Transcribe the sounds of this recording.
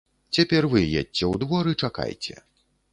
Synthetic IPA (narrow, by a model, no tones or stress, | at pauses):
t͡sʲapʲɛrvɨjɛ̰d̚ʲt͡sʲɛwd̪vɔɾɨt͡ʂaka̰jt͡sʲɛ̰